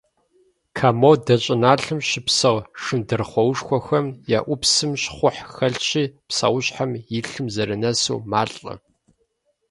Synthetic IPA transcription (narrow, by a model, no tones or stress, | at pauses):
kʰaːmowdɐɕʼɪnaːɬɨmɕɪpsɐwʂɨndɨrχʷɔwʂxʷɔxɐmjaːʔʷʊpsɨmɕχʷʊħxɐɮɕiːpsa̰wɕħamjɪɬɨmzɐɾɨnɐsṵːmaːɬʼɐ̰